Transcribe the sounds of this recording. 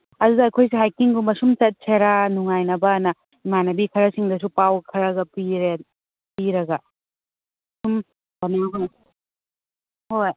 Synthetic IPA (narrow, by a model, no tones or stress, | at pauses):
ɐdudɐːkʰojs̬eɦajkiŋɡumɐsumtɐt̚sʰɐɾanuŋajnɐbɐnɐ | imanɐbikʰɐɾɐsiŋdɐs̬upawkʰɐɾɐɡɐpiɾe | piɾɐɡɐ | sum | bɐnaɡ | hoj